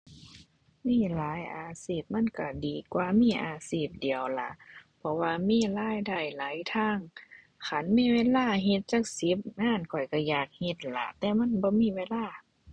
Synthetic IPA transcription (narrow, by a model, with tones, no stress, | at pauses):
miː˧˥˨laː˨˦jʔaː˨˩siː˧˩p̚ma˧˥˨nka˧˩diː˨kwaː˧miː˧˥˨ʔaː˨˧siː˧˩p̚di˨əwla˧˦pʰɔ˧waː˧miː˧˥˨laː˧˥˨jda˧˩jlaː˨˦jt̪ʰaː˧˥˨ŋ | kʰa˧˥˨nmiː˧˥˨weː˧˥˨laː˧˨ɦe˧t̪̚t͡ɕaː˧˥k̚si˨˦p̚ŋaː˧˥˨nkʰɔ˨˩jka˧˩jaː˧˨˩k̚he˧˦t̪̚la̰˧˦t̪ɛː˧ma˧˥˨nbɔː˧˦miː˧˥˨weː˧˨laː˧˥˩